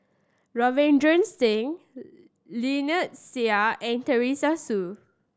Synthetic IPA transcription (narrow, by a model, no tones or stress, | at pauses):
ɹɔvɛ̃ndɹə̃nstĩŋ | linət̚siaʔɛ̃ntəɹisasu